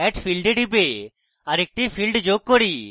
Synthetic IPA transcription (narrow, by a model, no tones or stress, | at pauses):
ɛʈfʰilɖeɖʱibe | aɾek̚ʈipʰilɖd͡ʑoɡ̚koɽi